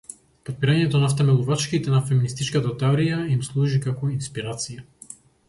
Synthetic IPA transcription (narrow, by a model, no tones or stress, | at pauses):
pot̪̚piɾaɲɛt̪onaf̬t̪ɛmɛlˠuvat͡ʃkit̪ɛnafɛminist̪it͡ʃkat̪at̪ɛɔɾijaimslˠuʒikakɔinspiɾat̪sija